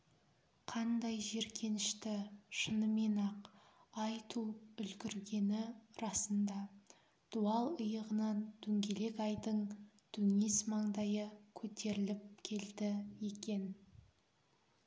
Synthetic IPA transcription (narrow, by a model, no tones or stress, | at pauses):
qʰɑnd̪ɑjʒe̞ɾkʲʰe̞nɪʃt̪ɪʃənəme̞nɑqɑjt̪ʰuʏlɡʲɪɾɡʲe̞nɪɾɑsənd̪ɑ | d̪̥uɑlˠʊjəʁənɑnt̪ʰɵŋɡʲe̞le̞kɑjd̪əɴ | d̪̥ʰɵŋe̞smɑɴd̪ɑjəkʲʰɵt̪ʰe̞ɾɪlɪp̚kʲʰe̞ld̪ɪje̞kʲe̞n